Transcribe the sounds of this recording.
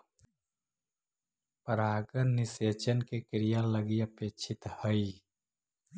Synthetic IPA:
pəɾaːɡəɾnɪseːt͡ʃənkekɪɾijaləɡiəpeːt͡ʃʰɪt̪həi

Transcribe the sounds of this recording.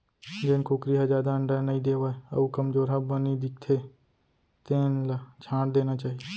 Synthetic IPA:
d͡ʒɪnkokɾiɦad͡ʒaːd̪aə̃ɳɖəɾnəĩd̪eːʋaːeɐ̰ukɐmd͡ʒoːɾɦabənid̪ɪk̚t̪ʰe | t̪eːnlat͡ʃʰãːʈd̪eːnat͡ʃaːɦiee

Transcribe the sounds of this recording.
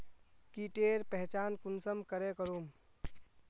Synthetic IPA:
kiʈeɾpəɦt͡ʃankunsəmkəɾekəɾum

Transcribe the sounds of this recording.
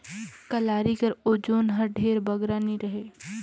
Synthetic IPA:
kɐlaːɾikɐɾoːd͡ʒoːnɦɐɾɖʱeːɾbɐɡɾaniɾəɦeː

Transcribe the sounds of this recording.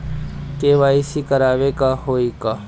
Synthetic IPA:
keːʋaːisiːkəɾaːʋeːkaɦoːiːkaː

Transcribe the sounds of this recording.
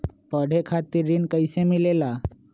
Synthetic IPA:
pəɽ̤ʱekʰat̪iɾiːnkəjsemilela

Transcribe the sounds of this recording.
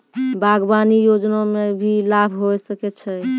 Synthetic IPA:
baɡbanijod͡ʒnamebʱilabʱɦojsəkɛt͡ʃʰɛ

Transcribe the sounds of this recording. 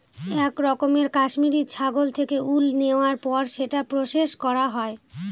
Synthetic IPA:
ɛkɾɔkomeɾkaʃmiɾiɾt͡ɕʰaɡolt̪ʰekeʔulneoaɾpɔɾʃeʈapɾoʃeʃkɔɾaɦɔe

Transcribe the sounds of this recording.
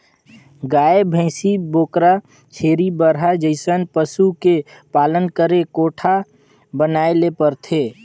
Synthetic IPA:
ɡaːebʱə̃ɪsiboːkɾa | t͡ʃʰeːɾibəɾɦad͡ʒəɪsənpəsukepaːlənkəɾekoːʈʰa | bənaːelepəɾt̪ʰeː

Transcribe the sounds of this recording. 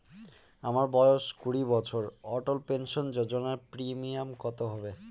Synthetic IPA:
amaɾbɔjoʃkuɽibɔt͡ɕʰoɾɔʈolpenʃond͡ʑod͡ʑonaɾpɾimiamkɔt̪oɦɔbe

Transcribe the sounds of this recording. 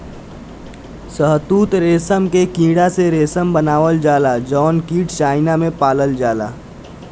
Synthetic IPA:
səɦt̪uːt̪ɾeːsəmkekĩːɽaseɾeːsəmbənaːʋəld͡ʒaːlad͡ʒɔːnkiːʈt͡ʃaːɪnamẽpaːləld͡ʒaːla̰ː

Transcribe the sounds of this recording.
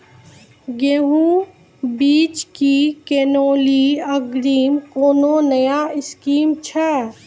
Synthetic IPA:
ɡeːɦũ | biːt͡ʃkikeːnoːliəɡɾiːmkoːnonɐjaɪskiːmt͡ʃʰɛ

